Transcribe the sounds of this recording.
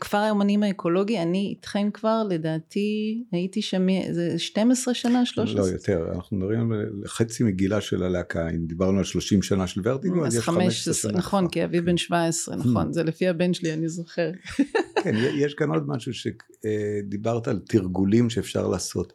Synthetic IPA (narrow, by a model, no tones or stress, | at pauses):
kv̥aʁajomanimaekʰo̞lo̞ɡianiḭtχemkvaʁle̞daːtiaitiʃamizeʃtemesʁeʃanaʃloʃlojot̪eʁa̰naχnudaʁimeχet͡simeɡilaʃḛlaleakʰaḭmd̪ibaʁnualʃlo̞ʃimʃanaʃelveʁt̪ioazeʃameeʃesnaχo̞nkiavivbenʃvaesʁḛnaχo̞̰nzelefiabenʃelianizo̞χeʁkʰenjejeʃɡano̞d̪maʃuʃe | ed̪ibaʁt̪alt̪iʁɡulimʃeːfʃa̰ʁla̰ːso̞̰t̪